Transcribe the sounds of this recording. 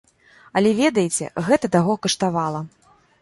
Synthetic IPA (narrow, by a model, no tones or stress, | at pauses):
ɐlʲɛvʲɛd̪ɐjet͡sʲɛ̰ɣɛt̪ɐt̪aɣɔkɐʂt̪avalˠɐ